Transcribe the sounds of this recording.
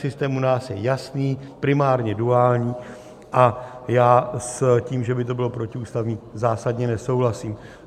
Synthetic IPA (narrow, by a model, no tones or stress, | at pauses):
sɪst̪ɛːmunaːsjɛjasniːpɾɪmaːɾɲɛduaːlɲiː | ʔajaːsciːmʒɛbɪt̪o̞bɪlo̞pɾo̞cɪuːst̪avɲizaːsadɲɛnɛso̞wɦlasiːm